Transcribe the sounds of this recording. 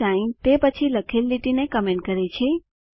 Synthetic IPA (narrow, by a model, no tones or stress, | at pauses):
aint̪epət͡ʃʰiləkʰelːiʈinekəmẽɳʈ̚kəɾet͡ʃʰe